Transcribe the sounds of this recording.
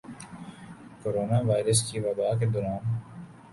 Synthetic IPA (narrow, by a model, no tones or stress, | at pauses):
koːɾoːnaʋaːɪɾəskiʋɐbaːk̬ed̪ɔːɾaːn